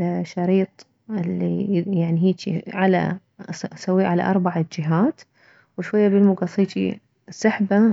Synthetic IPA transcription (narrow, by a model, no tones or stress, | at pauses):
ʃɑɾiːt̪ˤ | ɪlːijaʕniɦiːt͡ʃ̪iʕala̰ | sawːiʕala̰ʔɑɾˤbaʕad͡ʒɪɦaːt̪ | wɪʃwajːabɪlmʊɡɑsˤiːt̪ḭ | sˤɑħba